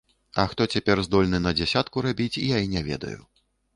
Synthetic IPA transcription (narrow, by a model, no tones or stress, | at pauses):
ɐxt̪ɔt͡sʲapʲɛrzd̪ɔlʲnɨnɐd͡zʲɛsʲat̪kuɾabʲit͡sʲijainʲɛvʲɛ̰d̪ɐ̰jṵ